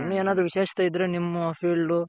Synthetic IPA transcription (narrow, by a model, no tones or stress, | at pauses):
ɐnːueːnaːd̪ɾuʋiʃeːʃɐ̥t̪ɐjid̪ːɾenimːɐɐfiɭɖu